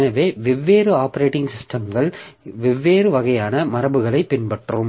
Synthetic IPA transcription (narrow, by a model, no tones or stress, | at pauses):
nɐʋeːʋɪʋːeːɾɯaːpɐɾeːʈːɪŋɡsɪsʈɐmɡɐɭʋɪʋːeːɾɯʋɐɣɐjaːnɐmɐɾɐbɯɣɐɭɐɪpːɪnpɐʈrɯm